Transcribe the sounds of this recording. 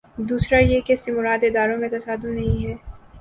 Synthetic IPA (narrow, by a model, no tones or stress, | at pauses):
d̪uːsɾajekɛːsimʊɾaːd̪ɪd̪aːɾõmẽt̪ɐsaːd̪ʊnːɐɦĩɦɛː